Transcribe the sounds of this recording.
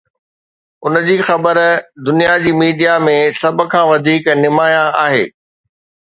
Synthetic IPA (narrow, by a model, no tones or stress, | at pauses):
ʊnəd͡ʑiːxɐbəɾd̪ʊnijad͡ʑiːmiːɖijamẽsɐbkʰãːʋɐd̪ʱiːknɪmaːjãʔaːɦḛː